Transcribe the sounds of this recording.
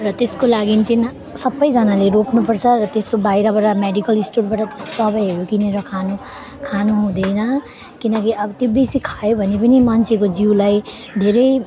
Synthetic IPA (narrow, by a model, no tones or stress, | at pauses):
rʌt̪eskolaɡint͡sin | sʌbʌjd͡zʌnaleɾoknupʌrt͡sʰʌɾʌt̪est̪obajɾʌbaʈameɖikʌlisʈuɽbaʈat̪e̥st̪o̥sʌbʌjɦʌjokineɾokʰanu | kʰanuɦũd̪ʌjnʌ | kinʌkiʌbʌt̪jobesikʰajobʱʌnepʌnimant͡sʰekod͡ziwlaj | d̪ʱeɾʌj